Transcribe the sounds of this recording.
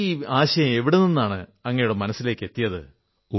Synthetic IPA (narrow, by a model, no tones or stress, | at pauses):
aːɕɐjɐme̞ʋiɽeninːaːɳɨɐŋːɐjuɽemɐnɐsːile̞ːkːe̞t̪ːijɐðɨ̰ | u